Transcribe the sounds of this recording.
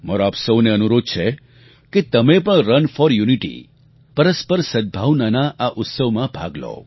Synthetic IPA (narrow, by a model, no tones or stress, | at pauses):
məɾoapsəʋneənuɾod̪̚t͡ʃʰe | ket̪əmepəɳ̃ɾənfɔɾjuniʈḭ | pəɾəspəɾsəd̪̚bʱaʋnanaʔaʔʊt̪səʋmãbʱa̰ɡlo̰